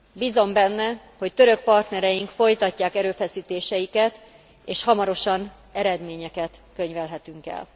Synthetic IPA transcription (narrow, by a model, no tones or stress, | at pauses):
biːzo̞mbɛnːɛ | ho̞ct̪øɾø̞k̚pɒrt̪nɛɾɛjiŋkfo̞jt̪ɒcːaːkɛɾøːfɛsiːt̪eːʃɛjikɛt̪ | eːʃhɒmɒɾo̞ʃɒn | ɛɾɛd̪meːɲɛkɛt̪kø̞ɲvɛlɦɛt̪yŋkɛ̰l